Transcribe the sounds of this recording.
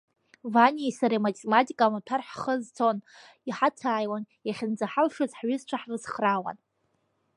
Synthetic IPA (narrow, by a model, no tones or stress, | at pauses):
vanʲejsaɾamatʰʼematʼikʼamatʰarħχəzt͡sʰo̞n | iħatʰaːjwan | jaχʲɪnd͡zaħalʂazħɥʏzt͡ʃʷʰaħrɨzχrawa̰n